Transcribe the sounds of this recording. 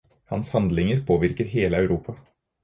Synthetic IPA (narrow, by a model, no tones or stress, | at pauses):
hɑ̰nshɑnd̪lɪŋəɾpʰoːʋɪɾkəɾɦeːləɑʉɾuːpʰɑ